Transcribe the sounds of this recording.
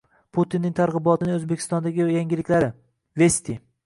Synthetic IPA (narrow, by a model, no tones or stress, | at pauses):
pʰut̪inːɪŋt̪ʰaɾʁɨbɒt̪ʰɪnɪŋɵzbekʲʰɪ̥st̪ɒnd̪aɡʲɪjaŋɡʲɪlɪkʲlaɾɪ | vesʲt̪i